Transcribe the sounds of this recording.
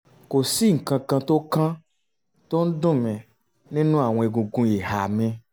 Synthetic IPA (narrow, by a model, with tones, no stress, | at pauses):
ko˨si˦ŋ̩˨kã˧kã˧t̪o˦kã˦ | t̪o˦n̩˦ɖõ˦mẽ˨ | nẽ˦nũ˦a˨wɔ̃˨e˨ɡũ˨ɡũ˦je˨ɦa˨mẽ˦